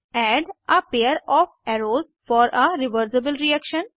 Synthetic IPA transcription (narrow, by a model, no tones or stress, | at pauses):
ɛːɖəpeːəɾɔːfɛɾoːz | fɔːɾʔəɾɪʋəɾsɪbəlɾiɛkʃə̃n